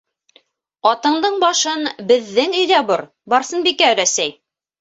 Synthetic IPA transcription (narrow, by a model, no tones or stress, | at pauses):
ɑt̪ɤ̆ɴd̪ɤɴbɑʃɤnbɘ̆ðːɘŋɵ̆jðæbɤɾ | bɑɾsɤnbikæɾæsæj